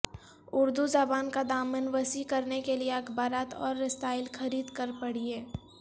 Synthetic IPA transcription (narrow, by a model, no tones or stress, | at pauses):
ʊɾd̪uzabaːnkad̪aːmənʋəsikɐɾnekelieɐkʰbaːɾaːt̪ɔ̰ːɾːɪst̪aːɪlxʰɐɾiːd̪kəɾpɐɽ̤ieː